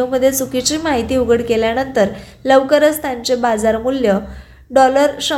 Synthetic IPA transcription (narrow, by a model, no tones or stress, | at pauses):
məd̪ʱːjet͡sukit͡ɕiːmaɦit̪iːuɡəɽkeljanənt̪əɾ | ləʋkəɾəst̪ʰaɲt͡ɕebad͡zaɾmuljə | ɖɔləɾɕə